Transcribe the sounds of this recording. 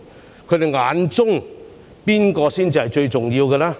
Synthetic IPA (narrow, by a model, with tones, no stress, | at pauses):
kʰɵ˨˧ɥd̪e˨jŋaː˨˧˥nt͡sʊ˥ŋ | piː˥nkɔː˧siː˥nt͡siː˨˧hɐ˨jt͡ʃɵ˧ɥt͡sʊ˨˩ŋjiː˧wkɛː˧laː˥